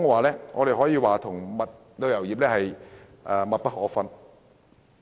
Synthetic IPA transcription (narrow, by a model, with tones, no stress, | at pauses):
ŋɛ˧waː˨˩lɛː˥ŋʔɔː˨˧ɾe˨jɦɔː˨˥jiː˧waː˨˩t̪ʰʊ˨˩ŋmɐ˨t̚ | t̪o˧wjɐ˨˩wjiː˨p̚lɛː˥hɐ˨j | ʔaː˨˩mɐ˨t̚pɐ˥t̚hɔː˨˥fɐ˧n